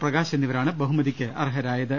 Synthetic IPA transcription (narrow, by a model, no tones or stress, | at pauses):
prɐɣaːɕɐnːiʋɐɾaːɳɨbɐɦumɐðikʲːɨʔɐ̰rɦɐɾaːjɐðɨ